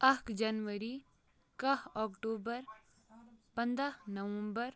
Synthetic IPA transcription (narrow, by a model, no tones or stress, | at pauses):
ɐkd͡ʒɐnʋəɾi | kɐɦɔːkʈoːbəɾ | pɐ̃nd̪ɾaɦnɐʋə̃mbəɾ